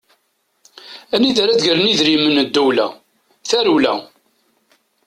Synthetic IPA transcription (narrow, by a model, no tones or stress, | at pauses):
æniðæɾæd̪ʝələniðɾimənəd̪ːuwlæ̰ | θæɾulæ̰